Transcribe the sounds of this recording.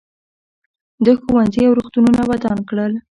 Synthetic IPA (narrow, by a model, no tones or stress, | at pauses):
d̪əxuwanziawɾuxt̪ununawad̪ɑnkɽəl